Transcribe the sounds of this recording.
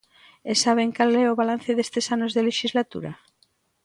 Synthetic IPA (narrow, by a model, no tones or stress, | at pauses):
esaβ̞eŋkalɛoβalan̟θeðest̪esanozðeleʃizlat̪ṵɾa